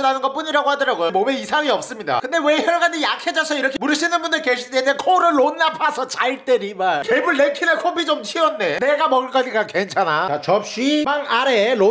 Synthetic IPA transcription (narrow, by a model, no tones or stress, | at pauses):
iɾanɯnɡʌp͈uɲiɾaɡohadɯɾaɡojomomeisʰaŋiʌp̚s͈ɯmɲida̰kɯnde̞we̞çjʌɭɡad͡ʑijakʰe̞d͡ʑasʰʌiɾʌkʰemuɾɯɕʰinɯnbundɯɭkeɕʰit̪͈eekʰoɾɯɭːonːapʰasʰʌt͡ɕaiɭt͈eɾimakebuɭːekʰinekʰobit͡ɕomt͡ɕʰiʌnːe̞ne̞ɡamʌɡɯɭk͈ʌd͡ʑik͈akwent͡ɕʰanat͡ɕat͡ɕʌp̚ɕ͈ibaŋaɾelo